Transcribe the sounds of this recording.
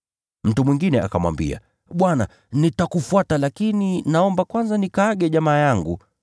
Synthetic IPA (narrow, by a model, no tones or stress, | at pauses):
m̩tumwiŋɡinɛa̰kamwa̰mbḭa̰ | ɓwana̰ | nitakufuatalakininaɔmbakwanzanikaːɠɛʄamaːjaŋɡu